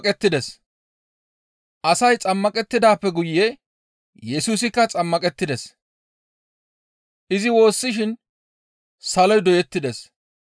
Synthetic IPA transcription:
kʼɛt̪ːɪd̪ɛs | ʔɐsɐjt͡sʼɐmːɐkʼɛt̪ːɪd̪aːpːɛɡʊjːɛ | jɛsuːs̬ɪkːɐt͡sʼɐmːɐkʼɛt̪ːɪd̪ɛs | ʔɪzɪwo̞ːsːɪʃɪn | sɐlɔjd̪ɔjɛt̪ːɪd̪ɛs

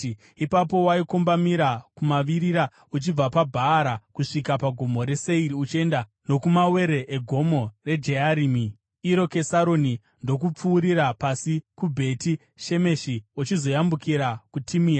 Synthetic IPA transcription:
ipapo̞waikombamiɾakumaʋiɾiɾa | ut͡ʃib͡vapabʱaːɾakuʂikapaɡʱomo̞ɾe̞se̞iɾiut͡ʃie̞nda | no̞kumawe̞ɾe̞ʔeɡʱo̞mo̞re̞d͡ʒe̞aɾiːmi | iɾo̞ke̞saɾo̞ni | ndo̞kup͡fuːɾiɾapasikubʱe̞ti | ʃe̞me̞ʃiut͡ʃizo̞jambukiɾakutʰimiːa

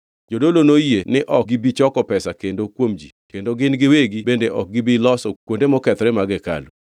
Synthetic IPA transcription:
d͡ʒodolonojenɪʔɔk̚ɡɪbit͡ʃɔkɔpɛsakendokwomd͡ʒḭkendoɡɪnɡɪweɡibendeʔɔk̚ɡɪbilɔsɔkwondemɔkɛt̪ɔɾɛmaɡɛka̰lu

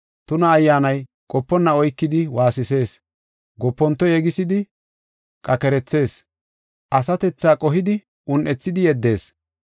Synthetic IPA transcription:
t̪ʊnɐːjːaːnɐj | kʼɔpːɔnːɐɔjkːɪd̪ɪwaːsɪse̞ːs | ɡɔpːɔnt̪ːɔjɛɡɪsɪd̪ɪ | kʼɐkɛɾɛt͡sːe̞ːs | ʔɐsɐt̪ɛt͡sːaːkʼɔɦɪd̪ɪ | ʊnʔɛt͡sːɪd̪ɪjɛd̪ːe̞ːs

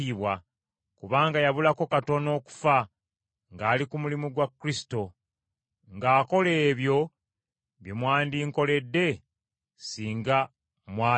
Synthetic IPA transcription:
iβwa | kuβaːŋɡajaβulako̞kato̞no̞ːku̥fa | ŋɡaːlikumulimuɡwakːɾisi̥to̞ | ŋɡaːko̞leːβjo̞ | βjemwaːndiŋko̞le̞dːe̞ | siːŋɡa | mwaː

